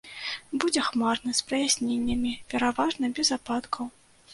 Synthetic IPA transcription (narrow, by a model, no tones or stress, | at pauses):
bud͡zʲɛxmarnɐspɾɐjasʲnʲenʲːɐmʲipʲɛɾavaʐnɐbʲɛzapat̪kʰɐw